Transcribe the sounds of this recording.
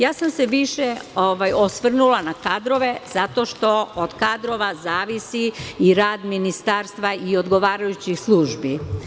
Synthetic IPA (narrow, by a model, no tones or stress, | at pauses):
jaːsamseʋiʃeoʋajosʋr̩nulˠanakad̪ɾo̞ʋe̞zat̪o̞ːʃt̪o̞od̪̥kaːd̪ɾo̞ʋazaːʋisiiɾaːd̪minist̪aːɾst̪ʋaio̞d̪ɡo̞ʋaːɾajut͡ɕixslˠuːʒbi